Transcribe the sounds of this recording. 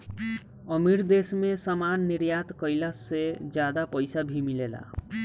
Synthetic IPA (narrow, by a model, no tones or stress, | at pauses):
əmiɾd̪esmesamanːiɾjat̪kəɪlased͡ʒjad̪apəɪsabʱimilela̰